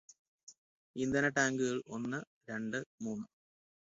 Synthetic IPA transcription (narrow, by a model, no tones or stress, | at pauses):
ind̪ɐnɐʈaːŋɡɨɣɐɭo̞nːɨ | ɾe̞ɳɖɨmuːnːɨ